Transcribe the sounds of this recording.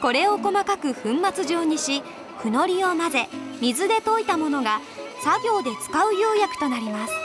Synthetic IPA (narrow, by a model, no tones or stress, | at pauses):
ko̞ɾe̞o̞ko̞makakɯ̟ɸɯ̟̃mːat͡sɨʑo̞ːɲ̟iɕi | ɸɯ̟no̞ɾʲio̞maze̞mʲizɨd̪e̞t̪o̞it̪amo̞no̞ɡa | saɡʲo̞ːd̪e̞t͡sɨ̥kaɯ̟joːjakɯ̟̥t̪o̞naɾʲimasɨ̥